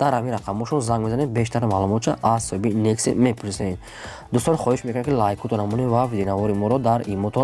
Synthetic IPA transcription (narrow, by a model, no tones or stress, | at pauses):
d̪̥aɾhaminɾaqʰamɔʃɔnzaŋɡmezanebeʃt̪aɾmalumɔt̪t͡ʃʰaʔazsɔhibinekst̪ḛmepʰuɾisaen | d̪ust̪ɔnχɔhiʃmekunakʰilajikʰut̪ʰɔnamunivavid̪enavɔɾimɔɾɔd̪aɾimɔt̪ʰɔ